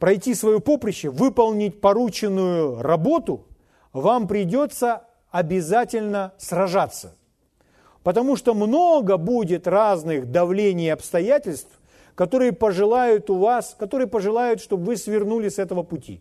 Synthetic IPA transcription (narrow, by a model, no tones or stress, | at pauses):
pɾɐjtʲisvɐjupo̞pɾʲɪɕːɪvɨpɐlˠnʲɪtʲpɐɾut͡ɕɪnːʊjʊrɐbo̞t̪ʊ | vampɾʲɪdʲo̞t̪sə | ɐbʲɪzatʲɪlʲnəsrɐʐat̪sːə̥ | pət̪ɐmuʂt̪omnoɡəbudʲɪt̪raznɨxd̪ɐvlʲenʲɪjɐpst̪ɐjætʲɪlʲst̪f | kɐt̪o̞ɾɨjəpəʐɨlˠajʊt̪ʊvaskɐt̪oɾɨjəpəʐɨlˠajʊt̪ʂt̪obvɨsvʲɪrnulʲɪsɛt̪əvəpʊtʲḭ